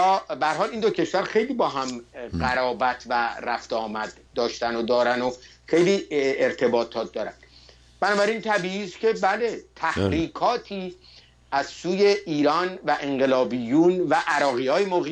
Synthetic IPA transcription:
ɒːbæhæɾhɒːlind̪ocʰe̞ʃvæɾxe̞jliːbɒːɦæmɢæɾɒːbæt̪ʰværæft̪eɒːmæd̪̥ | d̪ɒːʃt̪ænod̪ɒːɾæno | xejliːeɾt̪ʰe̞bɒːt̪ʰɒːt̪̚d̪ɒːɾænd̪̥ | b̥ænɒːbæɾint̪ʰæbiːʔiːscʲʰe̞bæle̞t̪ʰæhɾiːkʰɒːt̪ʰiː | ʔæzsuːje̞ʔiːɾɒːnvæʔe̞ɴɢe̞lɒːbijuːnvæʔæɾɒːɣiːhɒːjemoɣi

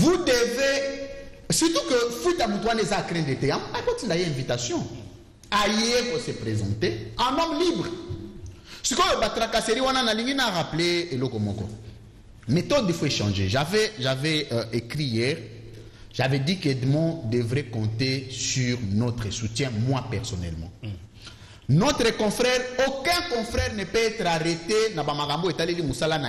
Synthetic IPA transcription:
vud̪eve | syt̪ukəfut̪amũt̪uwanezaːkʁɛ̃d̪et̪ɛamapɔtĩndajeɛ̃vitasjɔ̃ | ajeefosəpʁezɑ̃t̪eɛ̃nɔ̃mlibʁ | skojobat̪ɾakaseʁiwananalĩŋɡinaʁapleelɔkɔmɔkɔ̰ | met̪ɔd̪ifoeʃɑ̃ʒeʒavɛʒavɛekʁijɛːʁ | ʒavɛdiked̪mɔ̃d̪evʁɛkɔ̃t̪esyʁnɔt̪χəsutjɛ̃mwapɛʁsɔnɛ̰lmɑ̰̃ | nɔt̪ʁəkɔ̃fʁɛʁokɛ̃kɔ̃fʁɛʁnɛpøɛt̪ʁaʁet̪enabamaɡãmboetalelimusalana

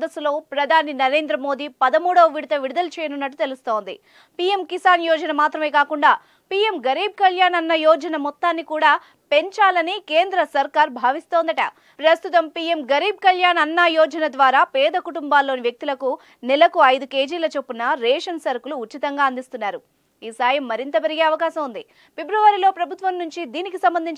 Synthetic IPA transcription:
d̪ɐsulo̞ːpɾɐd̪ʱaːninɐɾe̞ːnd̪ɾɐmo̞ːd̪iːpɐd̪ɐmuːɽɐʋɐʋiɽut̪ɐʋiɽud̪ɐlt͡ʃɛːjɐnunːɐʈːut̪e̞lust̪o̞ːnd̪ḭ | piːje̞mkisaːnjɔːd͡ʒɐnɐmaːt̪ɾɐmeːkaːkuɳɖaː | pie̞mɡɐɾiːb̚kɐljaːnɐnːɐjɔːd͡ʒɐnɐmɔt̪ːaːnːikuːɽaː | pe̞ɲt͡ʃaːlɐnikeːnd̪ɾɐsɐɾkaːɾbʱaːʋist̪o̞ːnd̪ɐʈɐ | pɾɐst̪ut̪ɐmpiːjemɡɐɾiːb̚kɐljaːnɐnːɐjɔːd͡ʒɐnɐd̪ʋaːɾaːpɛːd̪ɐkuʈumbaːlːo̞ːniʋjɐk̚t̪ilɐku | nɛlɐkuɐjd̪uke̞ːd͡ʒiːlɐːt͡ʃepːunɐɾɛːʂɐnsɐɾkuluːt͡ʃːit̪ɐŋɡaːɐnd̪ist̪unːaːɾu | iːsaːjɐmːɐɾint̪ɐpeɾiɡe̞ːɐʋɐkaːsɐmund̪i | pe̞bɾuʋaːɾilo̞ːpɾɐbʱut̪ʋɐmnuɲt͡ʃid̪iːnikisɐmbɐnd̪ʱiɲt͡ʃ

